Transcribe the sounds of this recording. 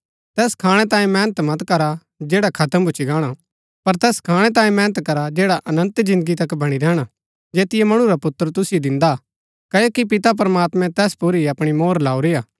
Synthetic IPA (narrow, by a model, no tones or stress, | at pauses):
t̪ɛːskʰaːɽ̃ɛt̪ãːĩmɛ̃ːnət̪mɐt̪kɐɾa | d͡ʒeːɽakʰɐt̪əmbʊt͡ʃʰiɡaːɽ̃a | pɐɾt̪ɛːskʰaːɽ̃ɛt̪̬ãːĩmɛ̃ːnət̪kɐɾad͡ʒeːɽaʔɐnə̃nt̪d͡ʒɪ̃nd̪əɡit̪ɐkbɐɽ̃iɾɛːɽ̃a | d͡ʒeːt̪ɪjemɐɽ̃ũɾapʊt̪ːəɾt̪ʊsɪjod̪ɪ̃nd̪a | kɐjokipɪt̪ap̬ɾəmaːt̪mɛ̃t̪ɛːspuɾiɐpɽ̃imoːɾlaːuɾejaː